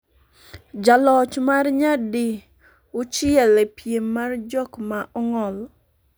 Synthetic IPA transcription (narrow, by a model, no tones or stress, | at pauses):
d͡ʒalɔt͡ʃmarɲadi | ʊt͡ʃɪɛlepjemmːard͡ʒɔkmaʔɔŋɔl